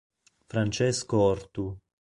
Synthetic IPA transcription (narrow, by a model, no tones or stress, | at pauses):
fɾant͡ʃɛskoɔrt̪u